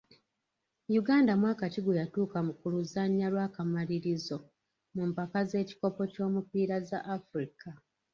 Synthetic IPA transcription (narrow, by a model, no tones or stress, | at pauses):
juɡaːndamwaːkaciɡujatuːkamukuluzaɲːalwaːkamaliɾizo̞ | mumpakaze̞ːci̥ko̞po̞co̞ːmupiːɾaza̰ʔːfɾika